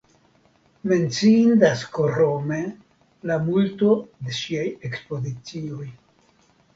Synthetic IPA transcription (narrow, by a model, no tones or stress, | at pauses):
me̞nt͡sindaskoɾome̞ | lamulto̞de̞ʃiaje̞kspo̞zit͡sio̞j